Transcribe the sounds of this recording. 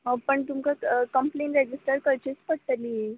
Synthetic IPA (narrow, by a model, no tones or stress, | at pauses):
ɦəpəɳt̪umkakəmplẽɳʈɾed͡ʑisʈəɾkəɾt͡ɕit͡spəɽt̪əliː